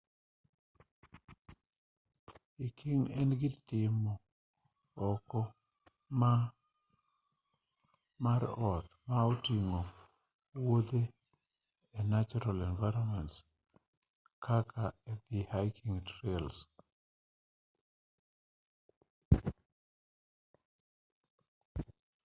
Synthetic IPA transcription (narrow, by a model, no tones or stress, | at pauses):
ikʰiŋɛnɡɪtɪmɔː | kɔ | ma | maɾɔt̪̚maotiŋo | wod̪e | ɛnat͡ʃɔɾalɛnvajɾɔmɛnts | kʰakʰaɛd̪ihajkʰiŋtɾels